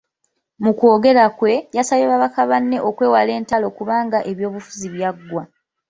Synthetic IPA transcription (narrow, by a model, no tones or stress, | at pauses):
muko̞ːɡe̞ɾakwe̞jasaβeβaβakaβanːe̞ʔo̞kwe̞ːwale̞ːntalo̞kuβaːŋɡaʔe̞βjo̞ːβufu̥ziβjaɡːwa